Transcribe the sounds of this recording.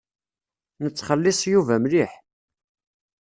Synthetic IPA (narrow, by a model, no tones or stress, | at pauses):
nət͡sːχəlːɪsˤjuvæmliħ